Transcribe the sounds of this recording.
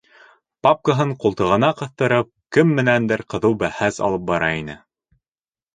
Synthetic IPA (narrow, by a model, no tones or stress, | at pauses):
pap̚kəɦɤɴqulˠt̪ɤ̆ʁɤ̆nɑqɤ̆θt̪ɤ̆ɾɤp̚kɘmːɘ̆nænd̪ɘɾqɤ̆ðɤwbæhæsɑ̰lˠɤp̚bɑɾɑinɘ